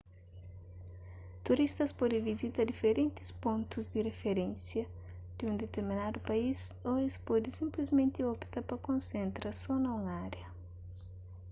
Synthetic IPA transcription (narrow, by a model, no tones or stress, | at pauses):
t̪uɾist̪ɐspɔd̪ẽvizit̪ɐd̪ifeɾẽnt̪i̥spõnt̪uzd̪iɾefeɾẽnsjɐ | d̪̥iũnd̪et̪eɾminad̪upɐisoespɔd̪isĩmplizmẽnt̪iɔpt̪ɐpɐkõnsẽnt̪ɾɐsɔnɐũŋaɾjɐ